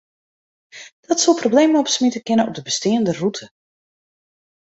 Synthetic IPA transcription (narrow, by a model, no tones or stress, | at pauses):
d̥ɔtsolˠprowbleːməɔpsmitəkɪnəʔɔ̰b̚dəbəstɪːəndərutʰə